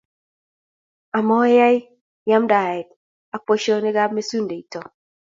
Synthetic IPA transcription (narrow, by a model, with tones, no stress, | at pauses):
a˨mɔ˦ja˦j | ja˦mda˨ɛ˨d̚ | a˨po˦ʃɔ˦nɪ˦ɡa˦bme˦su˦nde˨i˨tɔ˨